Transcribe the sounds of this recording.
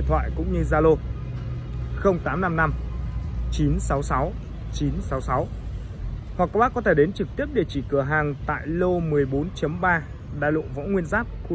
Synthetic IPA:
nt̪ʰwa̰ː˧˨jkʊ̰˧˥ŋ͡mɲɨ˧zaː˧lo˧ | xə˧wŋ͡mt̪aː˨˦mna˧mna˧m | t͡ɕi˨˦nsa˨˦wsa˨˦w | t͡ɕi˨˦nsa˨˦wsa˨˦w | hwa˨˩k̚ːa˧wɓaː˦˥kːɔ˨˦t̪ʰe˧˩ɗe˨˦nt͡ɕɨ˨˩k̚t̪i˦˥əp̚ɗe˧˩t͡ɕḭ˧˩kɨ˧˩əɦaː˨˩ŋt̪a̰ː˧˨jlo˧mɨ˨˩əjɓo˨˦nt͡ɕə˨˦mɓaː˧ | ɗa̰ː˧˨jlo̰˧˨vɔ̰˧˥ŋ͡mŋwi˧ənzaː˦˥p̚xu˧

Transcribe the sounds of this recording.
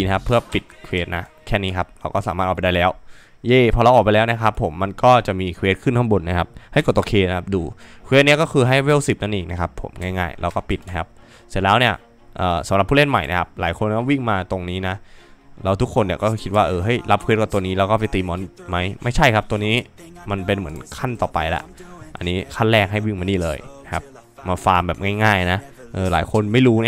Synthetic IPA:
na˧˩kʰa˦˥pʰːɯ˥˩ɐpi˨˩t̪̚kʰweː˦˥t̪̚na̰˦˥kʰɛː˥˩niː˦˥kʰa˦˥p̚ɾa˧wkɔː˥˩saː˨˦maː˥˩ʔɔː˨˩pa˧˩da˥˩lɛː˦˥w | jeː˧˩pʰɔː˧la˧wʔɔː˨˩pa˧jlɛː˦˥wni˦˥˩kʰa˦˥pʰːo̰˨˩˦mːa˧nkɔː˥˩t͡ɕa˨˩ʔmiː˧kʰweː˦˥t̪̚kʰɯ˥˩nt̪ʰɔ˥˩bu˧nːa˦˥kʰa˦˥p̚ha˥˩jko˨˩t̪ʔkʰeː˧na˦˥kʰa˥p̚duː˧kʰweː˧˦˥t̪̚ni˦˥ɐkɔː˥˩kʰɯː˧ɦa˥˩jwe˥˩wsi˨˩p̚na˥˩nʔeː˨˩k̚na˦˥kʰa˦˥pʰːo̰˩˦mŋɛː˥˩jŋa̰ː˥˩jɾ̰a̰˧wkɔː˥˩pi˨˩t̪̚na˦˥kʰa˦˥p̚ | se˨˩t̪lɛː˦˥wni˥˩ɐ | ʔɤː˨˩sa˨˩˦mɾa˨˩pʰu˥˩le˥˩nma̰˨˩jna˦˥kʰa˦˥p̚laː˨˩˦jkʰo˧nkɔː˥˩wi˥˩ŋmaː˧t̪o˧ŋniː˦˥na˦˥lɛ˧˥wt̪ʰu˦˥kʰːo˧ni˧˥˩kɔː˥˩kʰi˦t̪̚waː˥˩ʔɤː˧ɦɤ˦˥˩jla˦˥p̚kʰwi˦˥t̚ka˨˩t̪u˧əniː˦˥lɛː˦˥wkɔː˥˩pa˧jt̪iː˧mɔː˨˦˥nma˦˥jma˥˩jt͡ɕʰa˥˩jkʰa˦˥p̚t̪u˧niː˦˥ma˧npe˧nmɯ˩˦ənkʰa˥˩nt̪ɔː˨˩pa̰˧jla̰˦˥ʔa̰˧nːiː˦˥kʰa˥˩lɛː˥˩k̚ɦa˥˩jwi˥˩ŋma˧ndiː˨˩lɤː˧jna˥kʰa˦˥p̚ | maː˧faː˧mbɛː˨˩p̚ŋaː˥˩jŋaː˥˩jna˦˥ | ʔɤː˧la̰ː˩˦jkʰo˧nma˥˩jɾuː˦˥n˥

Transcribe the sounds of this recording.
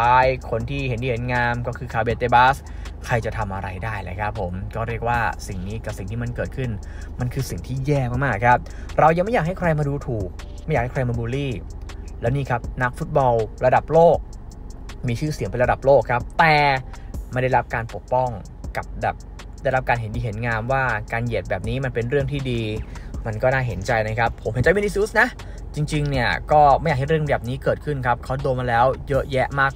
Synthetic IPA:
aː˦˥jkʰo˧nt̪ʰiː˥˩he˩˦nt̪iː˧˩he˩˦nŋaː˧mkɔː˥˩kʰɯː˧kʰaː˧˩wbe˧t̪eː˧˩baː˦˥s | kʰɾa˧jt͡ɕa˨˩t̪ʰa˧mʔa˧ɾa˧jdaː˥˩jlaː˧˥jkʰa˦˥pʰːo˩˦mkɔː˥˩ɾi˥˩ək̚waː˥˩si˨˩ŋniː˦˥ka˨˩p̚si˨˩ŋt̪ʰiː˥˩ma˧nkɤː˨˩t̪̚kʰɯ˥˩n | ma˧nkʰɯː˧si˨˩ŋt̪ʰiː˥˩jɛː˥˩maː˥˩k̚maː˥˩kʰɾa˦˥p̚ | ɾa˧wja˧ŋma˥˩jaː˨˩ha˥˩kʰɾa˧jmaː˧duː˧t̪ʰuː˨˩k̚ | ma˥˩jaː˨˩k̚hkʰɾa˧jmaː˧buː˧liː˥˩ | lɛː˦˥wniː˥˩kʰa˦˥p̚na˦˥k̚fu˦˥t̪̚bɔ˧lɾa˧da˨˩p̚loː˥˩k̚ | miː˧t͡ɕʰɯː˥˩si˨˦ŋpe˧ɾa˧da˨˩p̚loː˥˩kʰːa˦˥p̚t̪ɛː˨˩ma˧˩da˥˩jɾa˦˥p̚kaː˧npo˨˩ək̚pɔ˥˩ŋ | ka˨˩p̚bɛː˨˩p̚ | da˥˩jɾa˦˥p̚kaː˧nɦe˩˦ndiː˧ɦe˩˦nŋaː˧mwaː˥˩kaː˧nje˨˩t̪̚bɛː˨˩p̚niː˦˥ma˧npe˧nɾɯ˥˩əŋt̪ʰiː˥˩diː˧ma˧nkɔː˥˩naː˥˩ɦe˩˦nt͡ɕa˧jna˦˥jkʰa˦˥pʰːo˩˦mhe˩˦nt͡ɕa˧jmi˧niː˧siː˦˥sna˦˥ʔ | t͡ɕi˧ŋt͡ɕi˧ŋni˥˩əkɔː˥˩ma˥˩jaː˨˩ha˥˩ɾɯ˥˩əŋbɛː˨˩p̚niː˦˥kɤː˨˩t̪̚kʰɯ˥˩nkʰa˦˥p̚kʰa˦˥wdoː˧maː˧lɛː˦˥wjɤ˦˥ʔjɛ˦˥ʔmaː˥˩k̚

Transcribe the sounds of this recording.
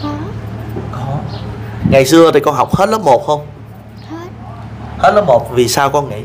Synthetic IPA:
kɔ˨˦ | ŋa˨˩jsɨ˧ət̪ʰi˨˩kɔ˧nɦa˨˩wk͡p̚hə˦˥t̚lə˨˦˥mo˨˩t̚xə˧wŋ͡m | hə˦˥t̚ləː˨˦˥mo˨˩t̚vi˨˩saː˧wkɔ˧nŋa˨˧˩

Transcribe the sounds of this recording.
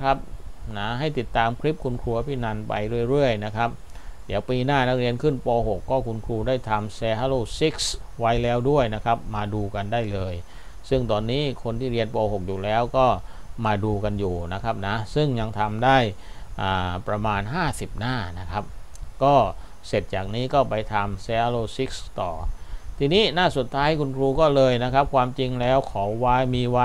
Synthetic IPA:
kʰa˦˥p̚na˦˥ɦa˥˩jt̪i˨˩t̪ːaː˧mkʰɾi˦˥p̚kʰu˧nkʰɾu˧ɐpʰiː˥˩na˧npa̰˧jɾu˥˩əjɾɯ˥˩əjna˦˥kʰa˦˥p̚ | di˨˩əwpiː˧naː˥˩na˦˥k̚ɾi˧ənkʰɯ˥˩npɔː˧ɦo˨˩kːɔː˥˩kʰu˧nkʰɾuː˧daː˥˩jt̪ʰa˧mseː˧ɦa˧˩loː˥˩si˦˥k̚s | wa˦˥jlɛː˦˥wdu˥˩əjna˦˥kʰa˦˥p̚maː˧duː˧ka˧ndaː˥˩jlɤː˧j | sɯ˥˩ŋt̪ɔː˧nːiː˦˥kʰo˧nt̪ʰiː˥˩ɾi˧ənpɔː˧ɦo˨˩k̚juː˨˩lɛː˦˥wkɔː˥˩maː˧duː˧ka˧njuː˨˩na˦˥kʰa˦˥p̚na˦˥sɯ˥˩ŋɲa˧ŋt̪ʰa˧mdaː˥˩j | ʔaː˨˩pɾa˧maː˧nɦaː˥˩si˨˩p̚naː˥˩na˦˥kʰa˦˥p̚kɔː˥˩ | se˨˩t̪̚t͡ɕaː˨˩k̚niː˦˥kɔː˥˩pa˧jt̪ʰa˧mseː˧ʔa˧loː˧˩si˦˥k̚st̪ɔ̰ː˨˩t̪ʰiː˧niː˦˥naː˥˩so˨˩t̪ʰːaː˦˥jkʰu˧nkʰɾuː˧kɔː˥˩lɤː˧jna˦˥kʰa˦˥p̚kʰwaː˧mt͡ɕi˧ŋlɛː˦˥wkʰɔː˩˦wwaː˦˥miː˧wa˦˥

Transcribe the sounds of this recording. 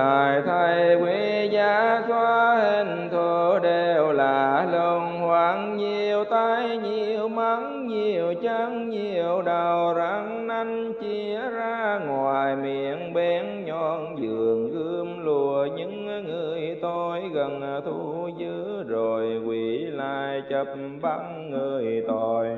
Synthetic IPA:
aː˨˩jt̪ʰa˧jkwi˨˦zaː˨˧˦swaː˧he˧˩n | t̪ʰo˧˦ɗe˧˩wlaː˨˩lo˧nhwaː˧˦ŋɲi˨˩əwt̪a˧jɲi˨˩əəwma˧˦ŋ | ɲi˨˩əwt͡ɕə˧˥ŋɲi˨˩əəwɗə˨˩wza˨˧˦ŋna˧jŋ̟t͡ɕi˧˥əzaː˧ŋwaː˨˩jmi˧˨ənɓɛ˧˦nɲɔ˧˩nzɨ˨˩əŋkɨ˧əmlu˧˩əɲɨ˧˥ŋŋɨ˨˩əjt̪o˧jɣə˨˩nt̪ʰu˧zɨ˧˦zo˨˩jkwi˨˩laː˧˨jt͡ɕə˨˩p̚mɓa˧˦ŋ | ŋɨ˨˩əjt̪o˧˨˩j

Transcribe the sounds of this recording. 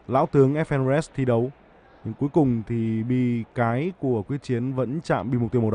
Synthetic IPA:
la̰ː˧˥wt̪ɨ˨˦əŋʔɛ˦˥f̚ʔɛ˧nɛ˦˥st̪ʰi˧ɗə˨˦w | ɲɨ̰˧ŋku˨˦əjkʊ˨˩ŋ͡mt̪ʰi˨˩ɓḭ˧kaː˨˦jku˧˩əkwi˦˥ək̚t͡ɕi˨˦ənvə̰˧˥nt͡ɕa̰ː˧˨mɓi˧m̚˨˩t̪i˧w̚ɗ

